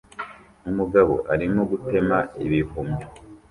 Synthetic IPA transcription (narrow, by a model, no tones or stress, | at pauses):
umuɡaβo̞̰ʔaɾimoɡute̞maiβihumo